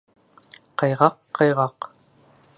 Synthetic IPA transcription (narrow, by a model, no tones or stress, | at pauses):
qɑjʁɑqːɑjʁɑq